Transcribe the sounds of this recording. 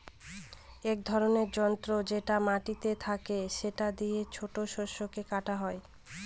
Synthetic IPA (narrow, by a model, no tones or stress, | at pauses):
ek̚d̪ʱɔɾoneɾd͡ʑɔnt̪ɾod͡ʑeʈamaʈit̪et̪ʰakeʃeʈad̪iet͡ɕʰoʈoʃoʃokekaʈaɦɔe